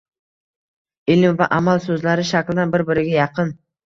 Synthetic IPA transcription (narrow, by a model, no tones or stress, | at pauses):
ɪlɪmvaʔamalˠsɵzlæɾɪʃakʲɪlˠd̪ɑnbɪɾbɪɾɪɡʲejɑqən